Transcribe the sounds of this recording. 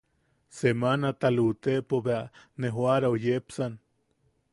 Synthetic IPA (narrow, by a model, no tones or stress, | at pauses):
semanat̪alut̪eʔpoβeaneɦwaɾaojepsan